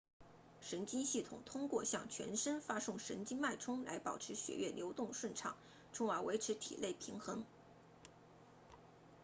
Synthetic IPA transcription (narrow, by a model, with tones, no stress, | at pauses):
ʂə˧˥nt͡ɕi˥nɕi˥˩t̪ʰʊ̰˨˩ŋt̪ʰʊ˥ŋkwɔ˥˧ɕjɑ˥˩ŋt͡ɕʰɥɛ̰˧˥nʂə˥nfa˥sʊ˥˩ŋʂə̰˧˥nt͡ɕi˥nma˥˩ɪʈ͡ʂʰʊ˥ŋla˧˥ɪpɑ˨˩ʊʈ͡ʂʰɻ̩˧˥ɕɥɛ̰˥ɥɛ˥˩ljo˧˥ʊt̪ʊ˥˧ŋʂwə˥˩nʈ͡ʂʰɑ̰˨˩˦ŋ | ʈ͡ʂʰʊ˥ŋa˧˥we˧˥ɪʈ͡ʂʰɻ̩˧˥t̪ʰḭ˨˩le˥˩ɪpʰi˧˥ŋxɤ˧˥ŋ